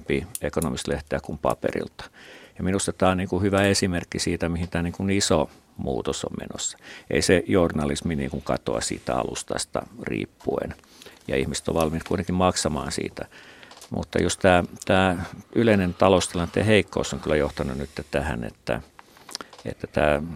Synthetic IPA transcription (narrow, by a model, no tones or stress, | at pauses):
piekonomist̪leht̪eækumpɑ̰pḛrḭlt̪ɑ̥jɑminust̪ɑt̪æːonniːŋkuhyʋæesimerkːisiːt̪æmihint̪æːniːŋkuniso | mṵːt̪oso̰mmḛno̰sːɑ̥ḛisejornɑlisminḭːŋkuŋkɑ̰t̪oɑsḭːt̪æɑ̰lṵst̪ɑst̪ɑrḭːpːuḛn | jɑihmise̥t̪o̰ʋʋɑlmit̪kuit̪eŋkimmɑksɑmɑːnsḭːt̪æmṵt̪ːɑjust̪æːt̪æːyleinent̪ɑlost̪ilɑnt̪ːˑeheikːo̰ːsːoŋkylːæjoht̪ɑnunnyt̪ːet̪æhænḛt̪ːæ̰ | ḛt̪ːæt̪æː